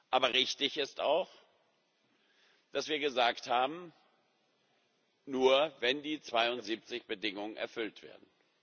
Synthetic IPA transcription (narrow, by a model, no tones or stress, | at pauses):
ʔaːbɐʁɪçtɪçɪsta̰ʊx | d̥asv̥iːɐɡəzaːkthaːbm̩ | nuːɐvɛndiːt͡sv̥aɪʊntz̥iːp̚t͡sɪçb̥ədɪŋʊŋənɛ̰ɐfʏltv̥ḛːɐdn̩